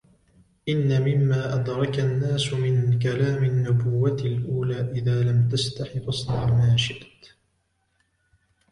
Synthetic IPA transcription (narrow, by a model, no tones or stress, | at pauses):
ʔɪnːamɪmːaːʔad̪ɾˤɑkanːaːsʊmɪnkalaːmɪnːʊbʊwːalʔuːlaːʔɪðaːlamt̪ast̪aħɪfɑsˤt̪ɑʕmaːʃɪʔt̪